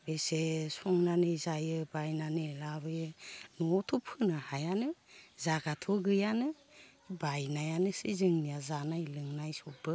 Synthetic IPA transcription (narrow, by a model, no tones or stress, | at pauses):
besesɔŋnanɯjzajɯbajnanɯelabɯjɯnotʰopʰɯnahajanɯzaɡatʰoɡɯjanɯ | bajnajanɯsizɯŋnijazanajlɯŋnajsobɯ